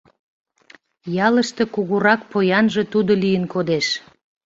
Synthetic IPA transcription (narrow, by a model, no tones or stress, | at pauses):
jɑləʃt̪ekuɣuɾɑk̚pojɑnʒe̽t̪ud̪olijənkod̪eʃ